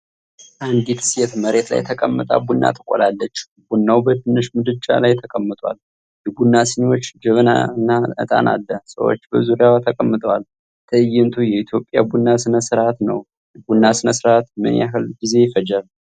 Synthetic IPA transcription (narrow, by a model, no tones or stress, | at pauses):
ʔand̪it̪ʰɨ̥sjɛt̪məɾe̞t̪la̰jt̪ʰəkʼəmːət̪ʼa̰bunːa̰t̪ʰɨkʷʼo̰lalːət͡ʃː | bunːawbəd̪ɨnːɨʃmɨd̪ɨt͡ʃʼːa̰lajt̪ʰəkʼəmːɨt̪ʼa̰l | jɛɡunːasɨɲo̞t͡ʃːd͡ʒɨβɨna̰ɨnːaɨ̰t̪ʼa̰na̰lːəsə̰wo̞̰t͡ʃːbəzuɾjawt̪ʰəkʼəmːɨt̪ʼəwal | t̪ʰəɨjːɪnt̪ʰujɛit̪ʰjo̞pʼja̰bunːasɨnəsɨɾat̪nə̰w | jɛbunːasɨnəsɨɾat̪mɨ̰njaɦɨlɡize̞jfəd͡ʒal